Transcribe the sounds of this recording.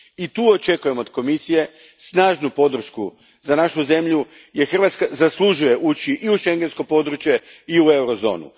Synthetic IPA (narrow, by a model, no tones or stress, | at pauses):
it̪uːo̞t͡ʃe̞kuje̞mo̞d̪̥ko̞misije̞ | snaːʒnupo̞d̪r̩ʃku | zanaʃuze̞mʎuje̞xr̩ʋat̪skazaslˠuʒuje̞ʔut͡ʃiʔiuʃe̞ŋɡe̞nsko̞po̞d̪ɾut͡ʃje̞iue̞wɾo̞zo̞̰ːnṵ